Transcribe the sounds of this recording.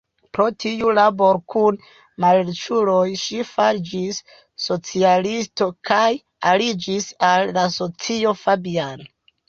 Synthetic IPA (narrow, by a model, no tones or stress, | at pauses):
pɾo̞tiulabo̞ɾkun | malet͡ʃulo̞jʃifaɾd͡ʒisː | o̞t͡sialisto̞kʰaj | alid͡ʒisalːaso̞t͡sio̞fabiano